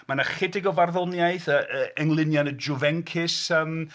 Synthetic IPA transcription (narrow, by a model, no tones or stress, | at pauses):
manaχɪdɪɡɔvarðɔnjaɨθəʔəɛŋlˠɪnjanəd͡ʒʊvɛŋkʰɪsəm